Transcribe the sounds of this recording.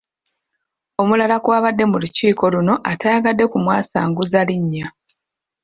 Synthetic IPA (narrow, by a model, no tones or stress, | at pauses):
o̞mulalakwaːβadːe̞muluciːko̞luno̞ʔataːaɡadːe̞kumwaːsaːŋɡuzaliɲːa